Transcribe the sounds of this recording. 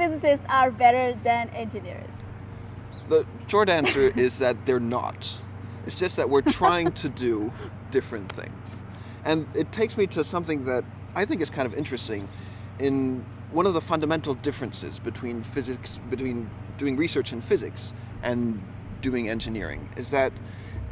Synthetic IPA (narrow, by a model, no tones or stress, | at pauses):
fɪzɪsɪsaɹbɛɾə˞ðɨ̃nɛ̃nd͡ʒɨnɪ̰ɹz | ðə | ʃɔɹɾæ̃nsə˞ʔɪzðɨt̪̚ðə˞nə̰t | ʔɨtsd̥ʒ̥ʌst̪̚ðɨt̚wɪɹttʰɹ̥aɪɪ̃ŋtʰɨdɨ | d̥ɪfɹɨ̃nθɪ̰̃ŋz̥ | ʔɨ̃nɨtʰeɪksmiɾɨsʌ̃mθɪ̃ŋðɨɾ | aɪθɪ̃ŋkɨtskʰãɪ̃ndʌvɪ̃nt͡ʃɹ̥ɨstɪ̃ŋ | ɪ̃n | wʌ̃nʌvðəfʌ̃ndəmɛ̃ntˡl̩ˠdɪfɹɨ̃nsɪ̰zbɨtʰw̥ĩnfɪzɨksb̥ɨtʰw̥ĩn | d̥ʉɪ̃ŋɹisɜ˞t͡ʃɨ̃nfɪzɨ̰ks | ʔɨ̃n | dʉɪ̃ŋɛ̰̃nd͡ʒɨnɪ̰ɹɪ̰̃ŋɪ̰zðɨt̚